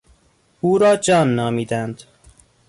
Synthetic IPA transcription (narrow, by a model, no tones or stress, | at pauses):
uːɾɒːd͡ʒɒːnːɒːmiːd̪ænd̪̥